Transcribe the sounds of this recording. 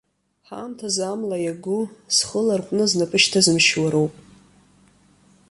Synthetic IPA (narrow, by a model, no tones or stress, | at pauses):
ħa̰mtʰazamlajaɡʷʊsχəlarqʷʼnɨznapʼɨʃtʰazɨmʃwaɾowpʼ